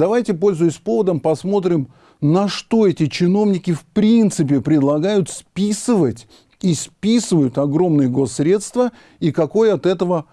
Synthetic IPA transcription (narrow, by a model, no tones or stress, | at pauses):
d̪ɐvajtʲɪpo̞lʲzʊjʊsʲpo̞vəd̪əmpɐsmo̞t̪ɾʲɪm | nɐʂt̪o̞ɛtʲɪt͡ɕɪno̞vnʲɪkʲɪfpɾʲint̪sɨp̬ʲɪpɾʲɪd̪lˠɐɡajʊt̪spʲisɨvətʲ | ispʲisɨvəjʊt̪ɐɡɾo̞mnɨjəɡo̞sːɾʲe̞t̪st̪və | ikɐko̞jəɐt̪ɛt̪əvə